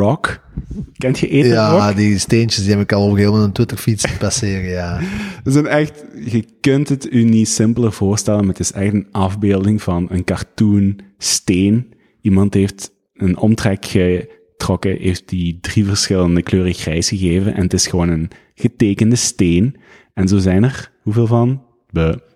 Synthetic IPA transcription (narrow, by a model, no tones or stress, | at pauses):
rɔk | kɛntxəʔeːtjaɔdisteːnt͡ʃəsdiɛbɪkɑlˠɔəeːmənəntwɪtərfitsəpasɪːɾəjaːəzɛnɛxtɣəkɵntɦətynisɪmpəlˠərv̥ʊːɹstɛlənmaətɪsɛxtənʔɑvbeːlˠdɪŋvɑnənkɑrtunsteːn | ʔimɑntɦeft | ənɔmtrɛkxə | trɔkəɦeft̚didrivəɹsxɪləndəkløːrəɣrɛjsxəɣeːvənʔɛ̰nətɪsxəʋoːnən | ɣəteːkəndəsteːn | ɛnzoːzɛjnərhuveːlˠvɑn | b̥ø